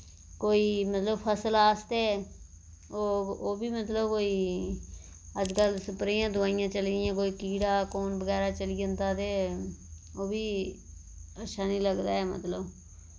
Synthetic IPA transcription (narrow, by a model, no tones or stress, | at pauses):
koːiːmət̪ləbpʰəsəlaːst̪eː | oːoːbiːmət̪ləbkoːiː | əd͡ʒkəlsəpɾiːãːd̪ʊaːijãːt͡ʃəlɪjãːkoːiːkiːɽaːkoːnbəɡɛːɾaːt͡ʃəlid͡ʒənd̪aːd̪eː | oːbiː | əʃʰaːnĩːləɡd̪aːɛːmə̰t̪ləb